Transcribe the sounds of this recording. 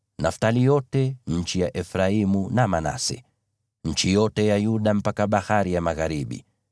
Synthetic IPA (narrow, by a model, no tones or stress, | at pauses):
naftalijɔtɛɲ̩t͡ʃijaʔɛfɾaimunamana̰sɛ̰ | ɲ̩t͡ʃijɔtɛjajuɗam̩pakaɓahaɾijamaɣaɾiɓḭ